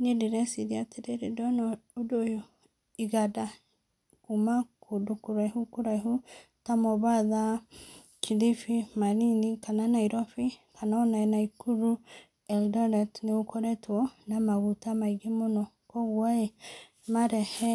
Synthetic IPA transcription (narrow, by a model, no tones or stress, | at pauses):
nediɾɛsiɾiateɾeɾidɔnɔudojo | iɣada | kumakʰodukuɾaihukuɾaiɦu | tamɔβaða | kʰiðifimaɾinikananaiɾɔfikanaɔnaenaikuɾu | ɛldɔnatneokʰɔɾɛtwɔnamaɣutamaiɡemonɔ | kɔɣwae | maɾɛhɛ